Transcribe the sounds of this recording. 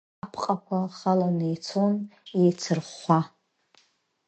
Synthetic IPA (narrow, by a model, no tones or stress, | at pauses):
apʰqʼakʷaχalanɨjt͡sʰonet͡sʰɨrχʷa